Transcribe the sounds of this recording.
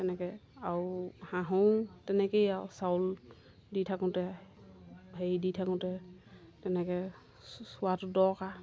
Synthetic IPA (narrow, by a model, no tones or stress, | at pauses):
tɛnɛkɛahãɦotɛnɛkejawsawl | ditʰakʊ̃tɛ | ɦejditʰakʊ̃tɛ | tɛnɛkɛ | sʊwatʊdɔka